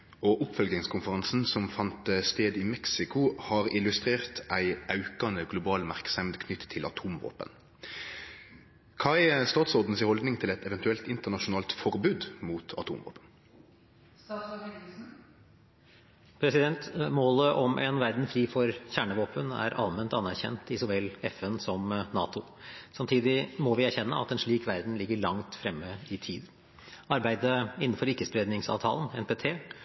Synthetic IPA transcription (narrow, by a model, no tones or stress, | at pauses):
ɔʔʊpfœlɡ̪ɪŋskʰʊnfəʁɑnsn̩sɔmfɑnt̪st̪eːd̪ɪmɛksɪkʊhɑːʁɪlʉst̪ʁeːʁt̪æɪʔɑʉkɑnəɡlʊbɑːlmæʁksɛmd̪kʰnʏt̪tʰːɪlɑ̰t̪ʰuːmʋo̰ːpə̰n | kʰɑɪst̪ɑːt̪sɔd̪n̩sɪhɔld̪nɪŋt̪ʰɪlɛt̪ɛʋɛnt̪ʉɛlt̪ɪnt̪əʁnɑʃʊnɑːlt̪fɔʁbʉːd̪muːt̪ʰɑ̰t̪ʰṵːmʋo̰ːpən | pʰɾɛsɪd̪ɛnt̪moːləʔɔmʔɛ̰nʋæɾd̪n̩fɾiːfɔɾçæːɳəʋoːpənæ̰ɾʔɑ̰lmɛnt̪ɑnːæɾçɛ̰nt̪ɪsɔʋɛlɛfɛnsɔmnɑ̰ːt̪ʊ | sɑmt̪ʰiːd̪ɪmɔʋɪæɾçɛnːəʔɑ̰t̪ɛnʂɭiːkʋæɾd̪n̩lɪɡːəɭɑŋt̪fɾɛmːəɪt̪ʰiːd̪ | ɑɾbæɪd̪əɪnːən̩fɔɾɪkːəspɾeːd̪nɪŋsɑ̰ːʋt̪ʰɑ̰ːlənɛnpeːt̪ʰeː